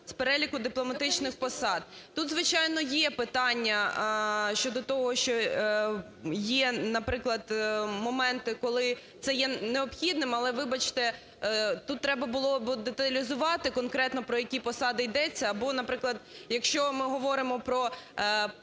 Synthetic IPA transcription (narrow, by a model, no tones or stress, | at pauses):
speɾɛlʲikʊd̪ɪplˠɔmɐt̪ɪt͡ʃnɪxpɔsɑd̪̚ | t̪ut̪zʋɪt͡ʃɑjnɔjɛpɪt̪ɑnʲːɐ | ʃt͡ʃɔd̪ɔt̪ɔɦɔʃt͡ʃɔ | jɛnɐpɾɪklˠɐd̪mɔmɛnt̪ɪkɔlˠɪ | t̪sɛjɛneɔpxʲid̪nɪmɐlˠɛʋɪbɐt͡ʃt̪ɛ | t̪ut̪ːɾɛbɐbʊlˠɔbd̪et̪ɐlʲizʊʋɑt̪ɪkɔnkɾɛt̪nɔpɾɔjɐkʲipɔsɑd̪ɪjd̪ɛt͡sʲːɐːbɔnɐpɾɪklˠɐd̪jɐkʃt͡ʃɔmɪɦɔʋɔɾɪmɔpɾɔ